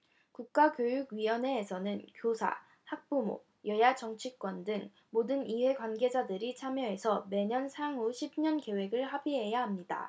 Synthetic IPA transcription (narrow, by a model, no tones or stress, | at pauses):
kuk̚k͈akjojuɡɥiwʌne̞ːsʰʌnɯnkjosʰa̰ | hak̚p͈umo̰ | jʌjat͡ɕʌŋt͡ɕʰik͈wʌndɯŋ | modɯniɸwe̞kwanɡe̞d͡ʑadɯɾit͡ɕʰamjʌɦe̞sʰʌme̞ɲʌnsʰaŋoɕʰib̚ɲʌnke̞we̞ɡɯɭhabiɦe̞jaɦamɲida̰